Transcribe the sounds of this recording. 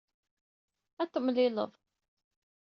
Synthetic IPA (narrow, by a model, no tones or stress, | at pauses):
æt̪ːəmlɪlə̰ðˤ